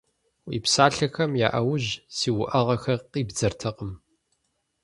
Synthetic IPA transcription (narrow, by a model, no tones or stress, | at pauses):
wḭːpsaːɬɐxɐmja̰ːʔɐwʊʑsiːwʊʔɐʁɐxɐrqiːbd͡zɐrtʰɐqəm